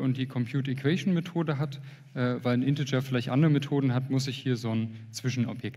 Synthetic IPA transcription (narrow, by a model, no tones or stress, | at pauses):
ʔʊntd̥iːkʰɔmpʰj̥uːtɛkʰv̥ɛʃnmetʰoːdəɦat | ʔɛːvaɪlnʔɪntɪd͡ʒɐfɪlaɪçtʔa̰ndəʁəmetʰoːdn̩ɦatmʊsɪçhiːɐzoːnt͡sv̥ɪʃn̩ʔɔ̰pjɛk̚t